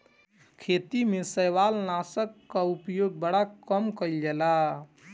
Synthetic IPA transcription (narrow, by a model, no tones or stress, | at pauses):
kʰet̪imesəjʋalnasəkːaupjoɡ̚bəɽakəmkəjld͡ʒela